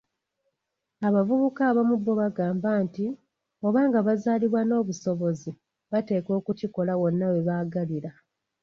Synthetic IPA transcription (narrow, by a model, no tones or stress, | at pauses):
aβavuβukaːβamubːo̞βaɡaːmbaːnti | o̞βaːŋɡaβazaliβwano̞ːβuso̞βo̞zi | βate̞ːko̞ːkuciko̞lawo̞nːawe̞βaːɡaliɾa